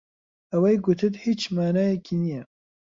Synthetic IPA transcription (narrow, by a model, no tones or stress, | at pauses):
ɐwɛjɡʊt̪ʰɨt̪hit͡ʃmaːnaːjɛkʰiːnijɛ